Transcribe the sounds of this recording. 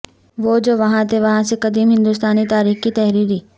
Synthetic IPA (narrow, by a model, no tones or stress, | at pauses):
ʋoːd͡ʒoːʋɐɦãt̪ʰeʋɐɦãsekɐd̪iːmɦɪ̃nd̪uːst̪aːnit̪aːɾiːxkit̪ɛɦɾiːɾiː